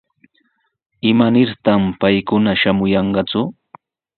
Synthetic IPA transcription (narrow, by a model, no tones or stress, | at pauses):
ɪmanɪɾt̪ampajkʊnaʃamʊjɑɴɢɑt͡sʊ